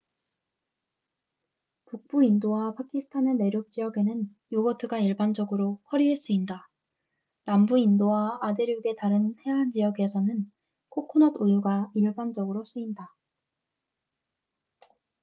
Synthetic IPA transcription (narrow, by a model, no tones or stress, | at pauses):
puk̚p͈uindowapʰakʰisʰɯ̥tʰane̞ne̞ɾjok̚t͡ɕ͈ijʌɡe̞nɯn | joɡʌtʰɯɡaiɭband͡ʑʌɡɯɾokʰʌɾiɦes͈uinda | nambuindowaːdeɾjuɡe̞taɾɯnhe̞ɦand͡ʑijʌɡe̞sʰʌnɯn | kʰokʰonʌdojuɡaiɭband͡ʑʌɡɯɾos͈uinda